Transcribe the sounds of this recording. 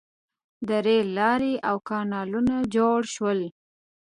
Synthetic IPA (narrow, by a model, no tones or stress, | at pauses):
d̪əɾelɑɾeʔawkɑnɑlunad͡ʒoɽʃwəl